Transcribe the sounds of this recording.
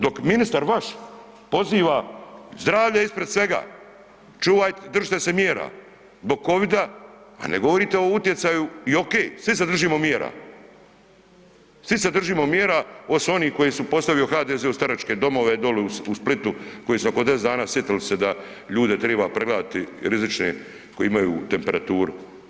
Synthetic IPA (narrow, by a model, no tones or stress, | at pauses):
d̪o̞kminist̪aɾʋaʃ | po̞ziːʋazd̪ɾaːʋʎaispɾed̪sʋe̞ɡa̰ː | t͡ʃuːʋajt̪d̪r̩ʒit̪ese̞mjeːɾa̰ | zbo̞ɡ̚ko̞ʋid̪aa̰neɡo̞ʋo̞ɾit̪eout̪je̞t̪sajuio̞keːsʋised̪r̩ʒiːmo̞mjeɾa̰ | sʋised̪r̩ʒiːmo̞mjeɾao̞so̞niːko̞jisupo̞st̪aʋioxaːd̪ezeust̪aɾat͡ʃke̞d̪o̞mo̞ʋed̪oleusplit̪uko̞jisuokod̪es̬d̪aːnaːsjet̪ilised̪a | ʎuːd̪e̞t̪ɾeːbapɾeɡlaːd̪at̪iɾizit͡ʃnḛ | kojeimajṵːt̪e̞mpe̞ɾat̪uːɾṵ